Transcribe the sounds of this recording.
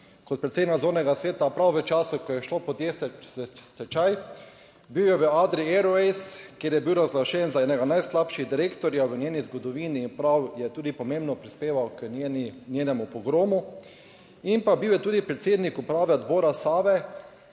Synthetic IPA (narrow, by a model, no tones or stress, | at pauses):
kɔt̪̚pɾɛt̪seːd̪nazoːnɛɡasʋeːt̪apɾawʋət͡ʃaːsukɔjɛʃlopɔd̪jesst̪ɛt͡ʃaj | biwjɛʋəaːd̪ɾiɛɾɔeskjeːɾjɛbiwɾazɡlaʃɛnzaɛːnɛɡanajslapʃiɣd̪iɾeːkt̪ɔɾjaʋənʲeːnizɡɔd̪ɔʋiːniːnpɾawjɛt̪uːd̪ipɔmẽmbnɔpɾispeːʋawkːnnʲjeːnɛmupɔɡɾoːmu | impabiwjɛt̪uːd̪ipɾɛt̪seːd̪nikupɾaːʋɛɔd̪boːɾasaːʋɛ